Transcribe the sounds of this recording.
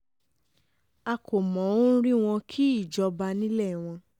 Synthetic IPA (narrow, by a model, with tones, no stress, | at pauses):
a˧kʰo˨mɔ̃˨˦ɾi˦w̃ɔ̃˧kʰi˦i˦˨d͡ʒɔ˧ba˧nĩ˦lɛ˦˨w̃ɔ̃˧